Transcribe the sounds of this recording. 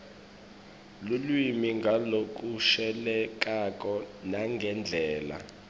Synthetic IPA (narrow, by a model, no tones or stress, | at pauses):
lulwimiŋɡʱalok̬ʼuʃɛlɛk̬ak̬ʼɔnaŋɡʱɛnd͡ɮʱɛːla̰